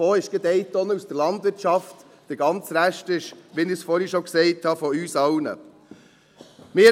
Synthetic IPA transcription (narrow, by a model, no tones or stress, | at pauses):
oːɪʃɡ̥ed̪ɛɪt̪ːɔnəusd̥əɾlɑnd̪ʋɪɾtt͡ʃɑftː | d̥eɡɑnt͡sɾæʃtɪʃʋinɪsfɔɾhiʃɔksɛɪthɑfɔyːsɑwnə̰ | mɪ